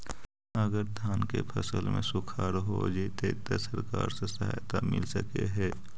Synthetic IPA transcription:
əɡəɾd̪ʱjaːnkepʰɐsəlmḛ̃sʊkʰaːɾɦo̰d͡ʒet̪ʰet̪əsəɾka̰ːɾsesɐɦa̰ːjt̪amɪ̰lsəkeɦɛː

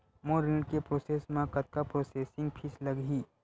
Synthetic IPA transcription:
moːɾɪ̃ɖkepɾoːseːsmãkɐt̪̚kapɾoːseːsɪ̃ŋɡpʰɪslɐɡɦiː

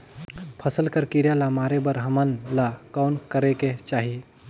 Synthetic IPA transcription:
pʰəsəlkəɾkiɾjalamaːɾebəɾɦəmənlakɔːnkəɾeket͡ʃaːɦi

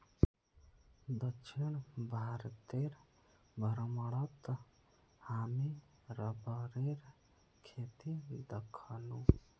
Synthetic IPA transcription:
d̪əkʃʰiɳbʱaːɾt̪eɾ | bʱəɾməɽət̪ | haːmi | ɾəbəɾeɾ | kʰet̪id̪əkʰənũ

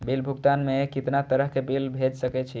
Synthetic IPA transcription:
bilbʱuɡt̪anmekit̪nat̪əɾəɦkebilbʱed͡ʒsəkɛt͡ʃʰi

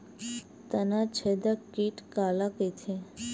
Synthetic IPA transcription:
t̪ənat͡ʃʰed̪akiʈkalaket̪ʰe

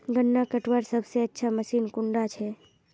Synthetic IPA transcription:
ɡənːakəʈwaɾsəbʱseətːʃʰaməsiːnkʊɳɖat͡ʃʰɛ

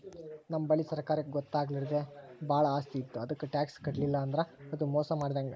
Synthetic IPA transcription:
nɐmːɐbɐɭisɐɾkaːɾɐkːeɡɔt̪ːaːɡɐliɾd̪ebaːɭɐaːst̪iːt̪ːuɐd̪ɐkːuʈjaːkskɐʈlilːɐːnd̪ɐɾeɐd̪umɔːsɐmaːɖd̪aːŋɡɐ

